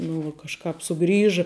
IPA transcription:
ˈnʊ ʋuɔ kɐʃˈkɑːp sʊˈɡrʲiːʒɨ

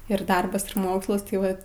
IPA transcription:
ɪr ˈdɐrbɐs ɪr ˈmoːkslˠɐs tɐɪ ˈʋɐ

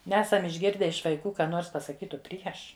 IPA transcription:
ˈnʲæːsɐm ɪʒʲˈɡʲɪrʲdʲɛ ɪʃ ʋɐɪˈkuː ˈkɑː ˈnoːrs pɐsɐˈkʲiːtʊ ˈpʲrʲiɛʃ

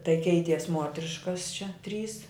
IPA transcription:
tɐɪ ˈkʲɛɪtʲiɛs ˈmuɔtʲrʲɪʃkɐs t͡ʃʲɛ ˈtʲrʲiːs

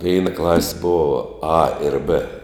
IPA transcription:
ˈʋʲɛɪnɐ klˠɐsʲ ˈboːʋɐ ɐ ɪr bɘ

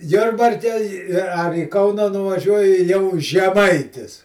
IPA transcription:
ˈjʊrbɐrʲkʲɛ ɪ ɐr iː ˈkɐʊnɐ nʊʋɐˈʒʲuɔjɪ jɛʊ ʒʲɛˈmɐɪtʲɪs

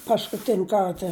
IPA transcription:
pɐskʊˈtʲɪnʲ ˈkɐrtɐ

